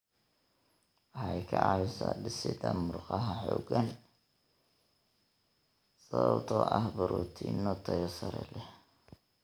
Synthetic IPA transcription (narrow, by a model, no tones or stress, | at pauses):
ʔɑħɑjkʰɐʕɑɪsaːdɪsɪd̪ɐmʊrqɑɦɐħɔːɡɐn | sɐwɐbt̪ʰɔːʔɐhbʊɾuːt̪ʰinɔt̪ʰɐjɔsɐɾɛ̰lɛ